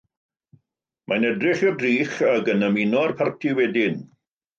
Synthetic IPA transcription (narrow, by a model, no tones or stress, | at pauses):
mʔanɛdrɪχjɔdriːχaɡənəminɔrpʰartʰiwɛdɪn